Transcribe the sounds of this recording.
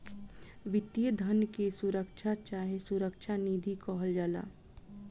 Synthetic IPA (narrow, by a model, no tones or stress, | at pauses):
ʋɪt̪jəd̪ʱənkesuɾəkʃʰat͡ʃaːɦesuɾəkʃʰaniːd̪ʱikɔɦəld͡ʒaːla̰ː